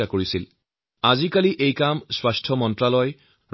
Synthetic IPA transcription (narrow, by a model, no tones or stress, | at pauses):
akoɹisil | azikaliʔejkamswastʰɔmɔntɹalɔj | ɹ